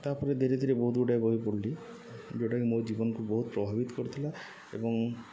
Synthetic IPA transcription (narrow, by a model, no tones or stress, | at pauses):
t̪aɾpɔɾed̪ʱeɾed̪ʱiɾebɔɦut̪uɖajboɦipoɽli | d͡ʒowʈakimod͡ʒibɔnɔŋkubɔɦut̪̚pɾɔbʱabit̪ɔ̥koɾit̪ʰila | ḛbɔŋ